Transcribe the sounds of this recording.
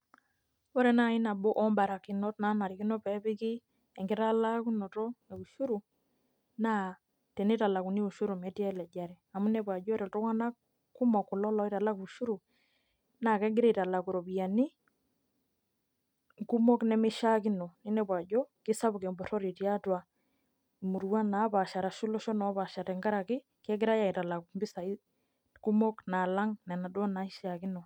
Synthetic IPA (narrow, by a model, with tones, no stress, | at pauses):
wɔ˦ɾɛ˨na˦ɪ˦na˨bɔ˦ʔɔ˦mba˨ɾa˨ki˨nɔ˦tna˦na˨ɾi˨kɪ˦nɔ˦pɛ˦pɪ˦kɪ˦ | ɛ˨ŋɡɪ˦ɾa˦la˦ku˦nɔ˨tɔ˦e˨u˨ʃu˦ɾu˨ | na˦˨ | tɛ˨ne˦ta˨la˨ku˨ni˦u˨ʃu˦ɾu˨mɛ˨˦tjɛ˦lɛ˨d͡ʒa˨ɾɛ˨a˨mu˦nɛ˨p̬wa˨d͡ʒɔ˦ɾɛ˨ltɔ˦ŋa˦na˦ | ku˦mɔ˨kːʊ˨lɔ˦lɔ˦i˦ta˨la˦ku˨u˨ʃu˦ɾu˨ | na˨kɛ˦ɡɪ˦ɾe˦˨ta˨la˨ku˨ɾo˨pi˨ja˨ni˦ | ŋku˦mɔ˦knɛ˨mɪ˦ʃa˦kɪ˦nɔ˨ni˦nɛ˦ba˨ɟɔ˦kɪ˦sa˦βu˨kɛ˨mbɔ˨ɾɔ˦ɾi˨ti˨a˦twa˨ | mu˨ɾu˦wa˦na˨˦βa˨ʃa˨ɾa˨ʃu˦lɔ˦ʃɔ˦nɔ˨˦βa˨ʃa˨ɾɛ˨ŋɡa˦ɾa˨kɪ˦ | kɛ˦ɡɪ˦ɾa˦ja˨i˨ta˨la˨kumbɪ˦sa˨i˦ | ku˦mɔ˦kna˨la˦ŋnɛ˨na˨dɔ˦na˦i˦ʃa˨kɪ˦nɔ˨